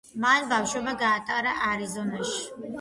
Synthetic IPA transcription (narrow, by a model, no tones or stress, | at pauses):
manbafʃwɛbaɡaːt̪ʼaɾaʔaɾizɔnaʃi̥